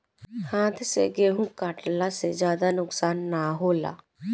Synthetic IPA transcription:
hãːt̪ʰsḛɡeːɦũːkaʈlasezjaːd̪anʊksaːnːaːɦoːla̰ː

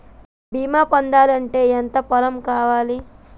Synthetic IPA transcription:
biːmaːpɐnd̪aːlɐɳʈeːent̪ɐpɐlɐmkaːʋaːli

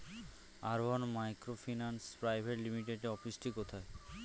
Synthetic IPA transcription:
aɾbonmajkɾofʰinanspɾajbʱeʈlimiʈeɖeɔfisʈikot̪ʰae

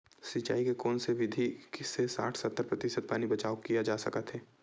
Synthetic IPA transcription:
sit͡ʃa̰ːikekɔːnseʋɪd̪ʱiksesa̰ːʈʰsɐt̪ːəɾpɾɐt̪ɪʃəd̪̚paːnibɐt͡ʃaːokijad͡ʒaːsɐ̰kət̪ʰɦeː

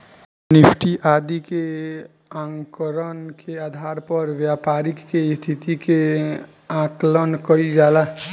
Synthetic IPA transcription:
nɪpʰʈiʔaːd̪ike | ãŋkəɾənkʰeaːd̪ʱaːɾpəɾʋjaːpaːɾɪkːest̪ʰit̪ike | ãklənkəid͡ʒaːla

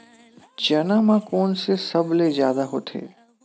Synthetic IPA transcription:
d͡ʒənamãkoːnsesəbʱlezjaːd̪aɦot̪ʰḛː

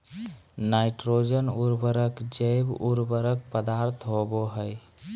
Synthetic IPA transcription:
naɪʈɾod͡ʒənuɾbəɾəkd͡ʒəɪbuɾbəɾək̚pəd̪aɾt̪ʰɦoboɦəj

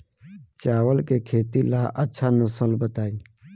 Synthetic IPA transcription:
t͡ʃaːʋəlkeːkʰeːt̪ilaːʔətːʃʰaːnəsəlbət̪aːiː

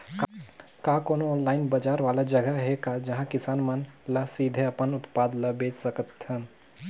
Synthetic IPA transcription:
kakoːnoɔ̃ːnlaːɪnbəd͡ʒaːɾʋaːlad͡ʒəɡəɦekad͡ʒɐɦãkɪsaːnmənləsid̪ʱeɐpənʊt̪paːd̪ləbeːt͡ʃsəkət̪ɦən

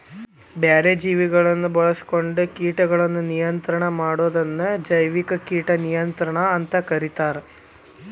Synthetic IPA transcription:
bjaːɾed͡ʒiːʋiɡɐɭɐnːubɐɭɐsko̞ɳɖɨkiːʈɐɡɐɭɐnːunijɐnt̪ɾɐɳɐmaːɽoːd̪ɐnːud͡ʒɐjʋikɐkiːʈɐnijɐnt̪ɾɐɳɐːnt̪ɐkɐɾit̪aːɾe

